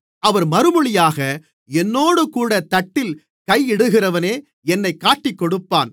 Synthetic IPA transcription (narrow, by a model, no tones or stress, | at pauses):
ɐʋɐɾmɐɾɯmɯɭɪjaːɣɐ | ɛnːoːɽɯkuːɽɐt̪ɐʈːɪl | kɐjɪɽɯɣɪrɐʋɐneː | ɛnːɐɪkːaːʈːɪkːɔɽɯpːa̰ːn